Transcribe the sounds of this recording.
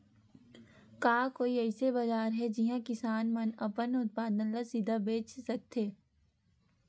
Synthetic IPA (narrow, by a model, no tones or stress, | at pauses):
kaːkoːiɛɪsebɐd͡ʒaːɾɦɛd͡ʒɪɦãkɪsaːnmɐnɐpənʊt̪̚paːd̪ə̃nləsid̪ʱabeːt͡ʃsɐk̚t̪eː